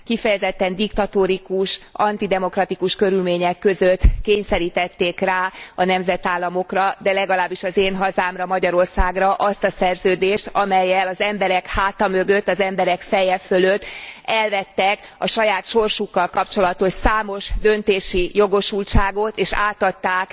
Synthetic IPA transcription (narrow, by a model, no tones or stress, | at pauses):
kifɛjɛzɛt̪ːɛnd̪ikt̪ɒt̪oɾikuʃɒnt̪id̪ɛmo̞krɒt̪ikuʃkø̞ɾylmeːɲɛkːø̞zøt̪ːkeːɲsɛɾiːt̪ɛt̪ːeːkraːɒnɛmzɛt̪aːlːɒmo̞krɒd̪ɛlɛɡɒlaːbːiʃɒzeːnɦɒzaːmrɒmɒɟɒɾo̞rsaːɡrɒʔɒst̪ɒsɛrzøːd̪eːʃt̪ɒmɛjːɛlɒzɛmbɛɾɛkhaːt̪ɒmø̞ɡø̞t̪ːɒzɛmbɛɾɛkfɛjɛføløt̪ːɛlvɛt̪ːɛkɒʃɒjaːt̪ʃo̞rʃukːɒlkɒpt͡ʃo̞lɒt̪o̞ʃsaːmo̞ʒd̪ø̞nt̪eːʃijo̞ɡo̞ʃult͡ʃaːɡo̞t̪eːʃa̰ːt̪ɒt̪ːaːk